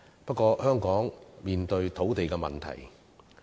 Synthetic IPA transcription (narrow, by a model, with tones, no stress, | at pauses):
pɐ˥t̚kɔː˧hœː˥ŋkɔː˨˥ŋmiː˨nt̪ɵ˧ɥt̪ʰo˨˥wt̪e˨jkɛː˧mɐ̰˨nt̪ʰɐ̰˨˩j